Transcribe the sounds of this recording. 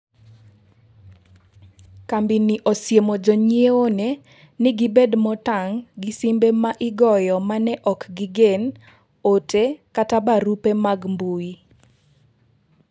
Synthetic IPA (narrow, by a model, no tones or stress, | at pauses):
kambiniʔɔsjemod͡ʒɔɲieone | nɪɡibedmɔtaŋɡɪsimbemaʔɪɡɔjɔmanɛʔɔkɡiɡen | otekatabaɾupemaɡmbui